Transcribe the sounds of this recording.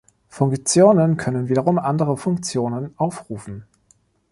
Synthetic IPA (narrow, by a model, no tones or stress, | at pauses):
fʊŋkt͡sjoːnənkʰœnənviːdɐʁʊmʔandəʁəfʊŋkt͡sjoːnənʔaʊfʁuːfn̩